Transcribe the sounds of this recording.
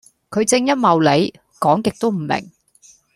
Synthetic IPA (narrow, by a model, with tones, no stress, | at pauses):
kʰɵ˨˧ɥt͡sɪ˧ŋjɐ˥t̚mɐ˨wle˨˧j | kɔː˨˥ŋkɪ˨k̚t̪o˥wm̩˨˩mɪ̰˨˩ŋ